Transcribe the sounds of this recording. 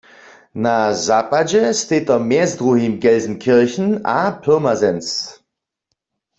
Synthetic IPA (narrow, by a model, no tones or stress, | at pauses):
nazapad͡ʒɛsteːtɐmɛːzdʁohimɡɛlzn̩kʰɪɐçn̩aːpʰɪɐmazɛns